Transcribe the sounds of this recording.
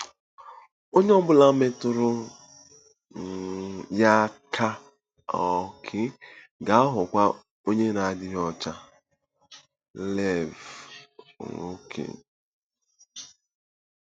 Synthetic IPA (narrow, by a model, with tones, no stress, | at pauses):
o˦ɲe˦ɔ˦bʊ˦la˦me˦tʊ˦ɾʊ˦˨ | ja˦kʰa˦ | ɔ˨kʰɪ˦ | ɡa˨a˦ɦʊ˨kʷa˦ | o˦ɲe˦na˨a˨dɪ˦ɦɔ˦t͡ʃa˦ | lɛ˦˨v̰ | ŋo˦kʰḛ˨